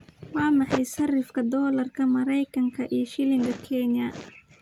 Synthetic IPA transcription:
wɑːmɑħɑjsɐrɪfkʰɐd̪ɔːlɐrkʰɐmɐɾɛjkʰɐŋkʰɐʔiːʃɪlɪŋɡɐkʰɛnjɐ

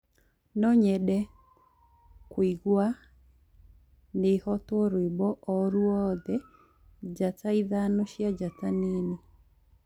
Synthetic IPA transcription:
nɔɲɛɗɛ | kwiɡwa | nehɔtwɔɾwebɔʔɔɾuɔðɛ | d͡ʒataiðanɔʃjad͡ʒatanene

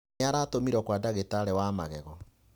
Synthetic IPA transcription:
aɾaːtomiɾɔkwadaɣetaɾɛwamaɣɛɣɔ

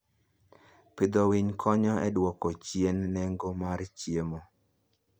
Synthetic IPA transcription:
pɪd̪ɔwiɲkʰɔɲɔɛdwɔkɔt͡ʃjenːɛŋɡomart͡ʃjemo

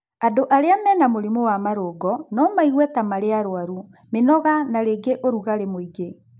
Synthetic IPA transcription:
adoʔaɾeamɛːnamoɾimowamaɾoːɡɔnɔmaiɣwɛtamaɾeaɾoaɾu | menɔɣanaɾeɡeʔoɾuɣaɾemoiɡe

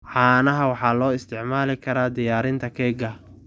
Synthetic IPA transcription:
ʕɑːnɐɦɐwɑħɑːlɔːɪst̪ʰɪʕmaːlɪkʰɐɾaːd̪ɪjaːɾɪnt̪ʰɐkʰɛːɡɐ

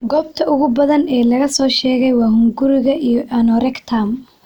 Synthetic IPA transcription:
ɡɔːbt̪ʰɐʊɣʊbɐðɐnɛːlɐɣɐsɔːʃɛːɣɛjwɑːɦʊŋɡʊɾɪɣɐʔijɔʔɐnɔɾɛkt̪ʰam

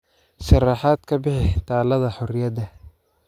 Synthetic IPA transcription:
ʃɐrɑħɑːd̪kʰɐbɪħɪt̪ʰaːlɐðɐħɔɾɪjɐd̪ɐ

